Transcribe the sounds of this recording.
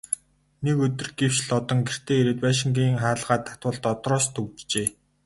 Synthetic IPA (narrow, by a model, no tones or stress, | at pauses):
nekɵt̪ɵ̆rɡew̥t͡ɕɮɔt̪ɞ̆ŋɡer̥t̪ʰeːeɾeːt̪paʃɪ̆ŋɡiːŋχaːɮʁaːt̪ʰːḁt̪wə̆ɮt̪ɔt̪rɔːst̪ʰɵkt͡ɕt͡ɕeː